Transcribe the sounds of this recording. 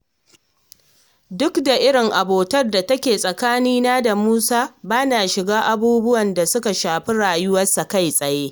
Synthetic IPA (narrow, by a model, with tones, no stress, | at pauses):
dʊ˦kda˨ʔɪ˦ɽɪ˨ŋʔa˨boː˨tɐ˦rda˨tɐ˦kʲeː˨sʼɐ˨kaː˦niː˦naː˦da˨muː˦saː˦baː˦naː˨ʃɪ˨ɡaː˦ʔa˨buː˦bʊ˦wɐ˨nda˨sʊ˦ka˨ʃaː˨ɸi˦ɽaː˨jʊ˦wɐ˦sːa˨ka˦˨jsʼɐ˨jeː˦